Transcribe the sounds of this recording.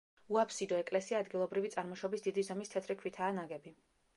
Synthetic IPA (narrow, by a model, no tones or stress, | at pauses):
uapʰsid̪ɔɛkʼlɛsiaːd̪ɡilˠɔbɾivit̪sʼaɾmɔʃɔbisd̪id̪izamist̪ʰɛt̪ʰɾikʰwit̪ʰaːnaɡɛbi